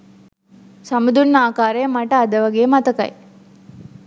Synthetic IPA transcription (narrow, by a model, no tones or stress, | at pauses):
sɐmud̪unːaːkaːɾejɐmɐʈɐːd̪ɐʋɐɡeːmɐt̪ɐkɐ̰j